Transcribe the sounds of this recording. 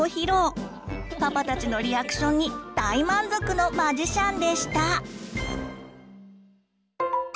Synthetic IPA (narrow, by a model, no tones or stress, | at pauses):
oçiɾo̞ː | papat̪at͡ɕino̞ɾʲiakɯ̥ɕõ̞ɲ̟ːid̪̥aimãnzo̞kɯ̟no̞maʑiɕãnd̪e̞ɕi̥t̪a